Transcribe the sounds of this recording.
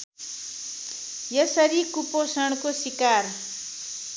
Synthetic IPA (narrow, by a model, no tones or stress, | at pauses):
jʌsʌɾikuposʌɽ̃kosikar